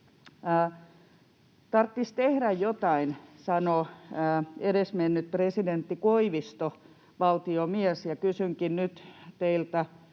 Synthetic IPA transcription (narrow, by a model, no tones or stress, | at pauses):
əː | t̪ɑrt̪ːist̪ehɾæjjot̪ɑinsɑnoəeɾesmenːyt̪̚president̪ːikoiʋist̪o | ʋɑlt̪iomiɛsjɑkysyŋkinnyt̪t̪eilt̪æ